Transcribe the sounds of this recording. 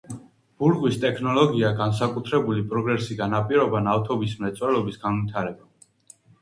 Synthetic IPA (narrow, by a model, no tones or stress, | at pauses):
b̥uɾʁʼwist̪ʼɛkʰnɔlɔɡiaɡans̬akʼut̪ʰɾɛbulipʼɾɔɡɾɛsiɡ̪anapʼiɾɔbanaft̪ʰɔbismɛt̪sʼwɛlɔbisɡanwit̪ʰaɾɛba